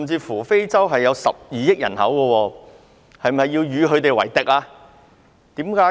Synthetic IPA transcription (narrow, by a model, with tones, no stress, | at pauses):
mt͡siː˧fuː˨˩fe˥jt͡sɐ˥wɦɐ˨jːɐ˨˧wsɐ̰˨p̚jiː˨jɪ˥k̚jɐ̰˨˩nhɐ̰˨˥wkɔ˧wɔː˧ | hɐ˨jmɐ˨jːiː˧wjyː˨˧kɵ˨˧ɥt̪e˨jwɐ̰˨˩jt̪ɪ˨k̚aː˧ | t̪iː˨˥mkaː˨˥